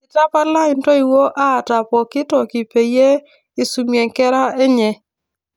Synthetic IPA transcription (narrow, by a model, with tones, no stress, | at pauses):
ɪ˨ta˦pa˦la˦ɪ˨ntɔ˦i˨wo˦ʔa˦˨ta˨pɔ˨kɪ˦tɔ˨kɪ˨pe˨je˦ | ɪ˨su˨mje˨ŋkɛ˦ɾa˦e˦ɲɛ˨